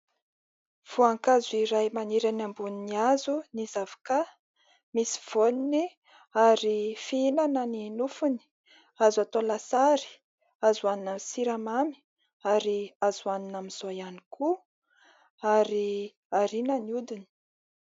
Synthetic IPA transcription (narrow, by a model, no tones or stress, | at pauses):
v̥uaŋkazuiɾajmaniɾanambuniniazunizavḁka | misi̥v̥onini | aɾifiinanəninufuni̥ | azat̪olasaɾi̥ | azuaninamsiɾamami̥ | aɾiazuaninamiz̥ojanikʰu | aɾi | aɾinəniud̪ini̥